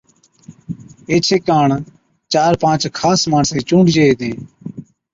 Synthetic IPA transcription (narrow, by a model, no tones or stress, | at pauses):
eːt͡ʃʰeːkaːɳ | t͡ʃaːɾpãːt͡ʃkʰaːsmaːɳsẽːt͡ʃũːɳɖd͡ʒeːeːt̪eː